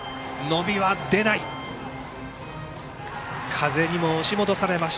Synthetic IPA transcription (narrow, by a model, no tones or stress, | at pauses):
no̞bʲiβad̪e̞nai | kʰaze̞ɲ̟imo̞ːɕimo̞d̪o̞saɾe̞maɕi̥